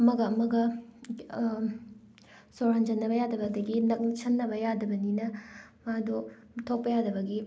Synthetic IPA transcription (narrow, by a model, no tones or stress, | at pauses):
ɐmɐɡɐɐmɐɡɐ | soɾɐnd͡ʒɐnːɐbɐjadɐbɐdɐɡinɐk̚nt͡ʃʰɐnːɐbɐjadɐbɐninɐmado | tʰok̚pɐjadɐbɐɡi